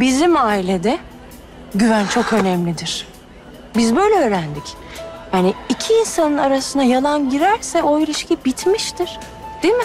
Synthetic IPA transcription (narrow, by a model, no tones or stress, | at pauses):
bizimaːilʲed̪ɛ | ɟyvænt͡ʃʰo̞kø̞nɛmlʲid̪iɾ̥ | bizbø̞jlʲɛøːɾænd̪ic | janiicʰiːnsanɯnaɾasɯnajalˠanɟiɾæɾsɛo̞iɾiʃcibit̪ʰmiʃt̪ʰiɾ̥ | d̪̥eimɪ